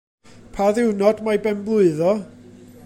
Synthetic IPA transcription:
pʰaðɪwnɔdmajbɛmblˠʊɨðɔ

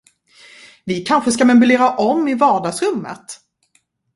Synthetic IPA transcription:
vɪkʰanɧəskamɛmʉleːɾaʔɔmːɪvɑːɖɑːɡsɾɵmːə̰t̪

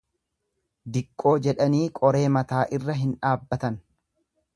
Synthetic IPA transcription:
d̪ɪkʼːo̞ːd͡ʒɛᶑɐniːkʼɔɾe̞ːmɐt̪aːʔɪrːɐɦɪnᶑaːbːɐt̪ɐn

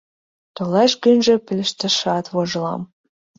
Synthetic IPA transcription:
t̪olɑʃɡynʒĕpɘ̆lʲɘ̆ʃt̪ə̆ʃɑt̪βoʒlɑ̰m

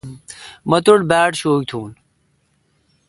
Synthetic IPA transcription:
mɐt̪uɽbaːʈɕoːk̚t̪ʰuːn

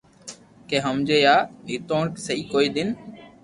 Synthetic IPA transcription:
keːɦəmd͡ʒeːjaːɦɪt̪oːɳksəiːkoːiːd̪ɪn

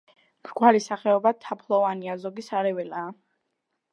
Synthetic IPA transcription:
kɾkʼwalisaχɛɔbat̪ʰapʰlˠɔvaniazɔɡisaɾɛvɛlaː

